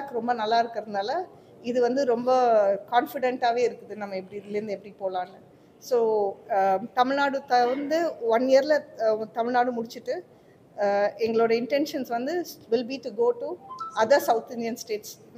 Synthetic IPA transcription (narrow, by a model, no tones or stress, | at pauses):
kːɯɾɔmbɐnɐlːaːɪɾɯkːɪɾɐðɯnaːlɐ | ɪðɯʋɐnd̪ɯɾɔmbɐkaːnfɪɽɛɳʈaːʋeːɪɾɯkːɯðɯnɐmːɐɛp̬ːɐɽiɪlːɐɾɯnd̪ɯɛpːɐɽipoːlãːŋɡɐ | soː | t̪ɐmɪɭnaːɽɯt̪ɐɐnd̪ɯɐnːeːɾɪlɐt̪ɐmɪɻnaːɽɯmʊɽɪt͡ʃːɯʈːɯ | ɛŋɡɐɭoːɽɐɪɳʈɛnʂɐnsʋɐnd̪ɯʋɪlbiʈuɡoːʈuɐðɐɾsɐʊt̪ɪnd̪ɪjɐnsʈeːʈs